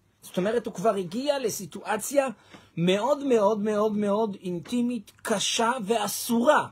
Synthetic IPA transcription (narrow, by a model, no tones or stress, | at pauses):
zoto̞me̞ʁethukvaʁhiɡiale̞situʔat͡sja | me̞o̞dme̞o̞dme̞o̞dme̞o̞dintimit̪kʰaʃave̞asuʁa